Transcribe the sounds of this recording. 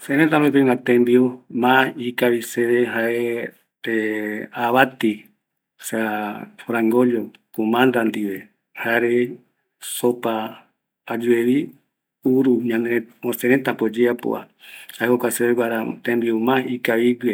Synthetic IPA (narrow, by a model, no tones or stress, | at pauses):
oseɾẽt̪aɾoet̪̬ũnat̪ẽmbiomãikaβiseβeɦae | t̪eaβat̪i | safɾãŋɡoʎokumãnd̪and̪iβe | haɾe | sopaː | d͡ʒueβi | uɾuɲãneosẽɾet̪apod͡ʒeapo̰a̰ | haeokʷaseβeɡʷaɾat̪ẽmbiomãikaβiɡe